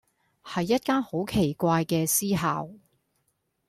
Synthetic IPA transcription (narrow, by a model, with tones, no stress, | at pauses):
hɐ˨jːɐ˥t̚kaː˥nho˨˥wkʰe˨˩jkʷaː˧jkɛː˧siː˥ɦaː˨w